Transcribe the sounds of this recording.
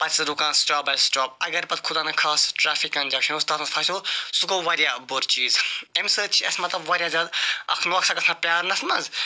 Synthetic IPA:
pɐt͡ʃsɾukãːnsʈaːbɐlsʈaːp̚ɐɡɐɾpɐt̪̚kʰʊd̪ãːnɐkʰaːsʈɾaːfʰikːɐnd͡ʒaːwʃʰɐnust̪aːt̪ɐ̃fʰaːsʲosukoʋɐɾjaːboɾt͡ʃiːzemsəːt͡ʃʰɐsmɐt̪lɐbʋɐːɾjaːzʲaːd̪ɐ̰kʰnoːksɐɡɐsãpjaːɾnɐsnɐːz

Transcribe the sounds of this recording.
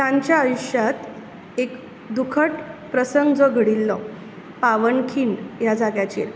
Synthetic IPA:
t̪ãɲt͡ɕjaəjuɕjat̪ | ek | d̪ukʰəʈpɾəsəŋɡd͡zɔɡʱəɽilːɔ | paʋəɳkʰiːɳɖjad͡zaɡjat͡ɕḭːɾ

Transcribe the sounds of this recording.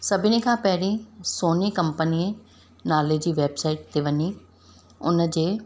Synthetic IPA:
səbʱiːnẽkʰãːpɛːɾĩːsoːniːkəmpəniːẽː | naːleːd͡ʒiːʋeːbsaːiʈ̚d̪eːʋənːiː | ʊ̰ñd͡ʒeː

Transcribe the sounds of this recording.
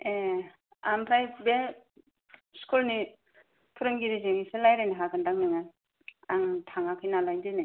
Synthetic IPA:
e | ampʰɾajbe | skʰulni | pʰɯɾɯŋɡiɾizeŋisɯlajɾajniɦaɡɯndaŋnɯŋa | aŋtʰaŋakʰɯjnalajndɯjnɯ

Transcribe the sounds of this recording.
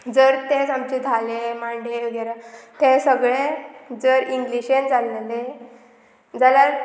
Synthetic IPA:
d͡zəɾt̪ed͡zamt͡ɕid̪ʱalemaɳɖeəɡɛɾat̪ẽsəɡɭed͡zəɾiŋɡliɕend͡zalele | d͡zalaɾ

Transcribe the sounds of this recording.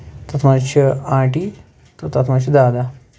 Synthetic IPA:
t̪ɐt̪ʰmat͡ʃʰɐãːʈi | t̪ɐt̪ɐt̪ʰmat͡ʃʰid̪aːd̪a

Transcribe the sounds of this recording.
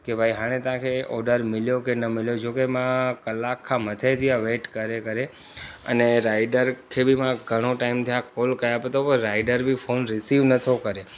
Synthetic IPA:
kebʱaiɦãɽ̃ẽt̪ãkʰeɔɖəɾmɪljokenəmɪljod͡ʒokemãkəlːakʰːamət̪ʰet̪ʰijaʋeʈkəɾekəɾe | ə̰neɾaiɖəɾkʰebʱimãɡʱəɽ̃õʈaimt̪ʰəjakolkəjapet̪opəɾaiɖəɾbʱifʰonɾɪsiʋnət̪ʰokəɾe

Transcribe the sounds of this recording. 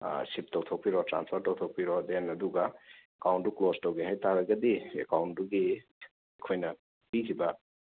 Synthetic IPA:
sip̚tɔwt̪ʰɔw̚piɾɔtɾa̰nspʰɔɾtɔwt̪ʰɔwk̚piɾɔd̪enɐd̪uɡaekawntuklostɔwɡeɦajt̪aɾaɡɐd̪iḛkawnuɡi | ekʰojna | pikiba

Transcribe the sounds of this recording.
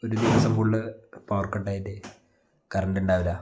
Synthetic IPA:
oɾud̪iʋɐsɐmkuɭːɨpaːrkɐʈːaːjitːe | kɐrɐnɖuɳɖaːʋɐla

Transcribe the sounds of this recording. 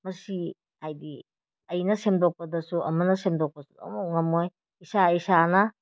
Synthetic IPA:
mɐsi | hajdi | ɐjnɐsemdok̚pɐdɐsuʔɐ̰mɐnɐsemdok̚pɐsudo̰muk̚ŋɐmːoj | isaisanɐ

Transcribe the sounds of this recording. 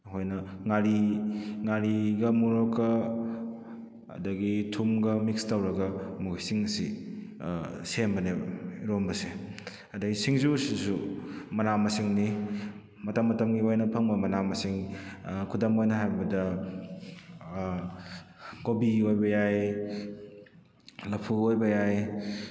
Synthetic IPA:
ɦojnɐŋaɾiŋaɾiɡɐmuɾokːɐ | ɐ̰dɐɡitʰumɡɐmikstɐwɾɐɡɐmukisiŋɐsḭ | senbɐneɾombɐse | ɐdɐɡisiŋzusisumɐnamɐsiŋni | mɐtɐmːɐtɐmɡiojnɐpʰɐŋbɐmɐnamɐsiŋkʰudɐmojnɐɦajbɐdɐ | ɡobiojbɐjaj | lɐpʰuojbɐjaj

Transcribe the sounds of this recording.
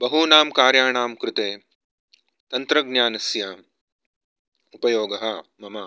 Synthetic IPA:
bɐɦuːnaːmkaːɾjaːɳaːmkɾɪt̪eː | t̪ɐnt̪ɾɐɡnjaːnɐsjaːm | upɐjoːɡɐɦɐmɐmɐ

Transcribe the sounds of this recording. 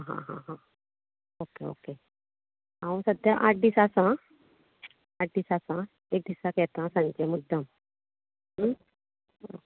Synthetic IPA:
ɦã̰ɦã̰ɦã | okeo̰ke | ɦaũsəd̪ʱjaʔaʈ̚d̪isasã | aʈ̚d̪iːsasã | ek̚d̪isakɛt̪ãsãɲt͡ɕemud̪ʱːəm | o

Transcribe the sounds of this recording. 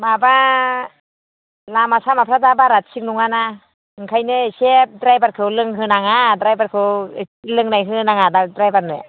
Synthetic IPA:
maba | lamasamapʰɾadabaɾatsiknuŋana | ɯŋkʰajnɯesep̚dɾajbat̚kʰɯwlɯŋɦɯnaŋadɾajbat̚kʰɯwlɯŋnajɦɯnaŋadadɾajbat̚nɯ̰

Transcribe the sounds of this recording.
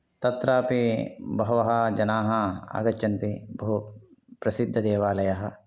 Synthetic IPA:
t̪ɐt̪ɾaːpibɐɦɐʋɐɦɐd͡ʒɐnaːɦɐa̰ːɡɐt͡ʃɐnt̪ibɐɦupɾɐsid̪ʱːɐd̪eːʋaːlɐjɐɦɐ̆

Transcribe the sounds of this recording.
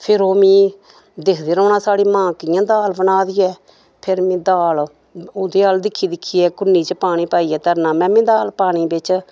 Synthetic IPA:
pʰɪɾoːmĩː | d̪ekʰd̪eːɾɔːnaːsaːɽiːmãːkɪjãːd̪aːlbənaːd̪iːɛː | pʰɪɾmĩːd̪aːl | oːd̪eːaːld̪ɪkʰːiːd̪ɪkʰːiːɛːkʊnːiːt͡ʃəpaːɽ̃iːpaːiːɛːt̪əɾnaːmɛ̃ːmẽːd̪aːlpaːɽ̃iːbɪt͡ʃ

